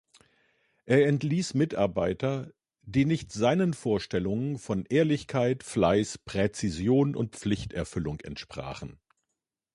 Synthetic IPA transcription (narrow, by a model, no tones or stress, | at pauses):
ʔeːɐɛntliːsmɪta̰ɐbaɪtɐ | diːnɪçtz̥aɪnənfoːɐʃtɛlʊŋənfɔnʔeːɐlɪçkʰaɪtflaɪspʁ̥ɛt͡sizjoːnʔʊ̰nt̚p͡flɪçtɛɐfʏlʊŋɛ̰ntʃpʁ̥a̰ːχn̩